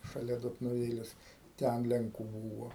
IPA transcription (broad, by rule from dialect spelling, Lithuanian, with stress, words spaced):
ʃɐˈlʲɛ doːtnʊˈʋʲeːlʲɛs ˈtʲɛn lʲɛŋˈkuː ˈbuːʋɐ